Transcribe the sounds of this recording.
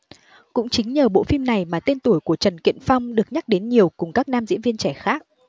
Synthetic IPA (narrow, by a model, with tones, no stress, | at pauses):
kʊ̰˧˥ŋ͡mt͡ɕï˨˦ŋ̟ɲəː˨˩ɓo̰˧˨fi˧mna˨˩jmaː˨˩t̪e˧nt̪u˧˩əjku˧˩ət͡ɕə˨˩nkḭ˧˨ənfa˧wŋ͡mɗɨ˨˩ək̚ɲa˦˥k̚ɗe˨˦nɲi˨˩əwkʊ˨˩ŋ͡mkaː˦˥k̚naː˧mzḭ˧˥nvi˧ənt͡ɕɛ˧˩xaː˦˥k̚